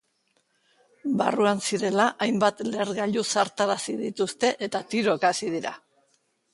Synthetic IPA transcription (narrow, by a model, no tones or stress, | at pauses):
ba̰ruansiɾe̞laʔajmbat̪le̞ɾɣaʎusaɾt̪aɾasiðit̪ust̪e̞ʔe̞t̪at̪iɾo̞ekasið̞iɾa̰